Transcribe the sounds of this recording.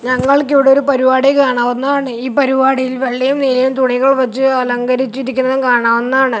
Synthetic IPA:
ɲɐŋːɐɭkiʋiɽeo̞ɾupɐɾubaːɽikaːɳaːʋunːɐaːɳɨiːpɐɾubaːɽijilʋɐɭːijumnilɐjumt̪uɳiɣɐɭʋɐt͡ɕːɨɐlɐŋɡɐɾit͡ɕːiɾikʲːunːɐðɨkaːɳaːʋunːɐaːɳɨ

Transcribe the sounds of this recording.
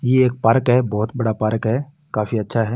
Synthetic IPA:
jeːk̚paːɾkɦɛːbɔːt̪bɐɽapaːɾkɦɛː | kaːfiɐtːʃʰaɦɛː

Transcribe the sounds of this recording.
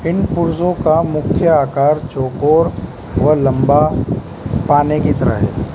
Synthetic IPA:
ɪnpʊɾsõkamʊkʰjəaːkaːɾt͡ʃoːkoːɾ | ʋɐlɐ̃mba | paːnekit̪ɐɾə̰ɦɦɛ̰ː

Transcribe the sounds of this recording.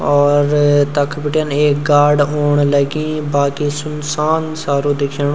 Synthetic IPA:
ɔːɾt̪əkʰbɪʈjəneːk̚ɡaːɾɖoːɳləɡĩːbaːkiːsʊnsaːnsaːɾuːd̪ɪkʰːɳː

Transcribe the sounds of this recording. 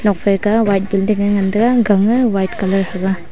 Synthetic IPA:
nɔk̚pʰeɾkawajt̚bildiŋaŋandaɡaɡaŋɯwajt̚kalɔɾhaɡa

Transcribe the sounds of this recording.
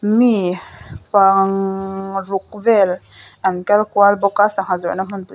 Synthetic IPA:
mipaŋ | ɾuk̚vɛl | ankalkwalbɔkasaŋazɔnam̥unpu

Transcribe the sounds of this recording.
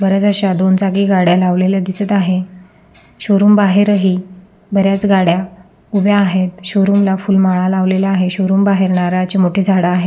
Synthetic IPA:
bəɾjat͡saɕad̪ond͡zaɡiːɡaɽjalaʋleljad̪isət̪aɦe | ɕoɾuːmbaɦeɾəɦiː | bəɾjat͡sɡaɽja | ubjaːɦet̪ɕoɾuːmlafuːlmaɭalaʋlelaːɦeɕoɾuːmbaɦeɾɳaɾat͡ɕimoʈʰed͡zʱaɽaːɦe

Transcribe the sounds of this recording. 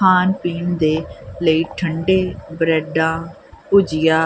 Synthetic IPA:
aːnpiːnd̪eːləiːʈʰəɳɖeːbəɾɛːɖãː | pʊd͡ʒɪjaː

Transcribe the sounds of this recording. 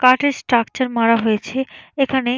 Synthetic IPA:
kaʈeɾsʈɾakt͡ɕaɾmaɽaɦojet͡ɕʰeekʰane

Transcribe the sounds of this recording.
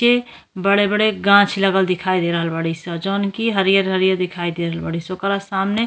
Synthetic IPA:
e | bəɽebəɽeɡãt͡ʃʰləɡəld̪ɪkʰaːid̪eɾəɦəlbəɽ̤isɔd͡ʒoːnkiɦəɾijəɾɦəɾijəɾd̪ɪkʰaːid̪eɾəɦəlbəɽ̤isokɾasamne

